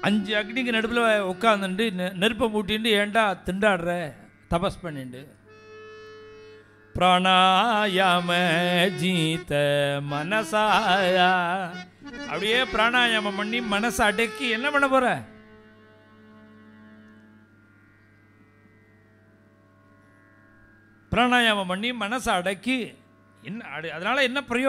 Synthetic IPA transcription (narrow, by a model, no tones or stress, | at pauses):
ɐɲd͡ʒɨɐɡnikːɨnɐɽɯp̬ːɪlɐʋajɔkːaːnd̪ɯɳɖɯnɛɾɯpːɐmuːʈ̬ːiɳɖɯeːɳɖaːt̪ɪɳɖaːɽɾe | t̪ɐpɐspɐɳːiɳɖɯ | pɾaːɳaːjaːmɐd͡ʒiːt̪ɐmɐnɐsaːja | ɐ̰pːɐɽɪjeːpɪɾaːɳaːjamɐmɐɳːimɐnɐsɐɽɐkːiɛnːɐpɐɳːɐpoːɾɛ̃ː | pɪɾaːɳaːjaːmɐmɐɳːimɐnɐsɐɽɐkːi | ɛnːɐɽɐðɐnaːlɐɛnːɐpɪɾɐjoː